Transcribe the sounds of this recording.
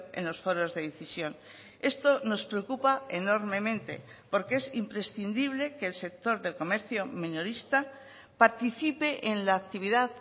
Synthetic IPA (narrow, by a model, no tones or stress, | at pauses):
ḛnlo̞sfo̞ɾo̞zðe̞ðeθisjo̞n | e̞st̪o̞no̞spɾeokupae̞no̞ɾmẽ̞mẽ̞nt̪e̞̰po̞ɾkee̞simpɾe̞sθind̪iβ̞le̞ke̞ːlse̞k̚t̪o̞ɾðe̞lko̞me̞ɾθjo̞mĩnoɾist̪a | paɾt̪iθipe̞ʔenlaːk̚t̪iβ̞iðað